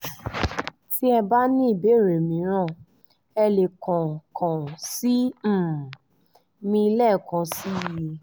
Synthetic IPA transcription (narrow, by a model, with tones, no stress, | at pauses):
ti˦ɛ˧ba˦nĩ˦i˦˨be˨˦˨ɾe˨mĩ˨˦ɾ̃ã˦˨ | ɛ˧le˨kã˨kã˨si˦˨ | mĩ˧i˧lɛ˦˨kã˨˦si˦˨je˧